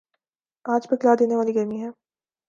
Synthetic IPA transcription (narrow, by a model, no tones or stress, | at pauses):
aːd͡ʒpɐkɪlaːd̪eːneʋaːliɡɐɾmiɦɛː